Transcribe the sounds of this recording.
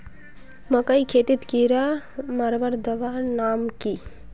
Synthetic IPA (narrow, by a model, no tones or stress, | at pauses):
məkəjkʰet̪it̪kiɾamɐɾʋəɾd̪əʋanaːmki